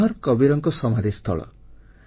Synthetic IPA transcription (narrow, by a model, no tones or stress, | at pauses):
ɔɾkɔbiɾɔŋkɔsɔmad̪ʱist̪ʰɔ̰ɭɔ̰